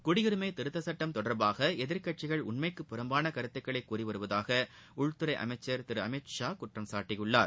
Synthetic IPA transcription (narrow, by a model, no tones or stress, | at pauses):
kʊɽɪjɪɾɯmɐɪt̪ɪɾɯt̪ːɐsɐʈːɐmt̪ɔɽɐɾbaːɣɐɛðɪɾkɐʈ̚t͡ʃːɪɣɐɭʊ̰ɳmɐɪkːɯpːɪɾɐmbaːnɐkɐɾɯt̪ːɯkːɐɭɐɪkːuːriʋɐɾɯʋɐðaːɣɐ | ʊɭt̪ɯɾɐɪʔɐ̰mɐt͡ʃːɐɾt̪ɪɾɯɐmɛʂaːkʊʈrɐmsaːʈːɪjɯɭːaːɾ